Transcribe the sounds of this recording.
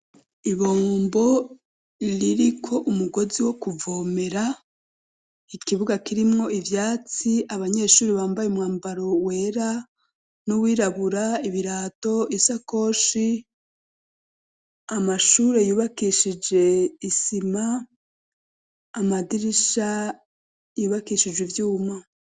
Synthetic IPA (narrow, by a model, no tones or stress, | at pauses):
iβoːmbo̞ | ɾiɾikʰo̞ʔumuɡo̞ziwo̞kuvo̞ːme̞ɾa | ikiβuɡakiɾimŋo̞ivjaːt͡siaβaɲe̞ːʃuːɾiβaːmbajeumŋwaːmbaɾo̞we̞ːɾa | nuwiːɾaβuɾaiβiɾaːto̞isako̞ːʃi | amaʃuːɾe̞juːβakiʃid͡ʒe̞isima | madiɾiʃa | juːβakiʃid͡ʒwivjuːma